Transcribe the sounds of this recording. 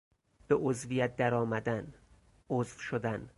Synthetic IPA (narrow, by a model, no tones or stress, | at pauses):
b̥eʔozvijæt̪̚d̪æɾɒːmæd̪æn | ozvʃod̪æn